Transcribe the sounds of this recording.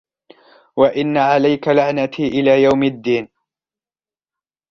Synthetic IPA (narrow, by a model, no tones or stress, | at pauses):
waʔɪnːaʕalajkalaʕnat̪ʰiːʔɪlaːjawmad̪ːiːn